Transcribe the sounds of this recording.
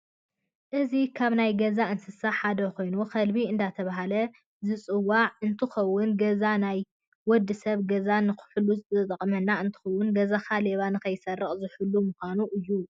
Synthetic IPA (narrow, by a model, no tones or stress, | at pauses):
ʔɨzikʰaβnajɡɐzaɨnsɨsaħad̪ɐko̞jnuxʰɐlbiɨnd̪at̪ʰɐβaɦalɐ | zɨt͡sʼɨwːaʕɨnt̪ʰɨxɐwːʊnɡɐzanaj | wɔd̪ːɨsɐβɡɐzanɨxɨ̥ħʊlut͡sʼɨt̪ʼɐqʼmɐnːaɨnt̪ʰɨ̥xɐwːʊnɡɐzaxʰaleβanɨkɐjsɐrːɐχʼzɨħɨlːumuxʷanuʔɨjːu